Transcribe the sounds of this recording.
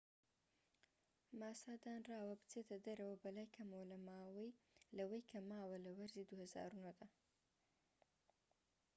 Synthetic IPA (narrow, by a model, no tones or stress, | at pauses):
maːsaːd̪aːnraːwɐbɨ̥t͡set̪ʰɐd̪ɐɾɐwɐbɐlaːjkʰɐmowlɐmaːwɐjlɐwɐjkʰɐmaːwɐlɐwɐɾzid̪uhɐza̰ːɾunod̪a